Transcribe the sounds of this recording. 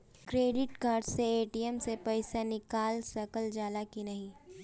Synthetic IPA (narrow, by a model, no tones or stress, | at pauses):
kɾeːɖɪʈkaːɾɖseeːʈiemsepɐɪsanɪkaːlsɐkəld͡ʒaːlakinɐɦĩ